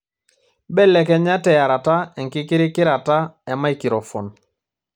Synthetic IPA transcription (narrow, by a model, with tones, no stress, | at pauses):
bɛ˦˨lɛ˨kɛ˦ɲa˦tɛ˨ja˨ɾa˨ta˦ɛ˨ŋkɪ˦kɪ˦ɾɪ˦kɪ˦ɾa˨ta˦ɛ˨ma˦i˨kɪ˨ɾɔ˨fɔ̰˨n